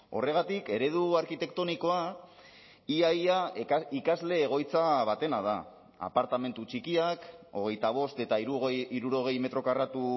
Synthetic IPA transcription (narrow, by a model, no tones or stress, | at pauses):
o̞re̞ɣ̞at̪ike̞ɾe̞ð̞uaɾkit̪e̞kt̪o̞niko̞a | iajaikazle̞ːɣ̞o̞jt͡saβat̪e̞nað̞a̰ | a̰paɾt̪ame̞nt̪ut͡ʃikiako̞̰ɣe̞jt̪aβ̞o̞st̪e̞t̪aiuɣiɾuɾo̞ɣe̞jme̞t̪ɾo̞karat̪u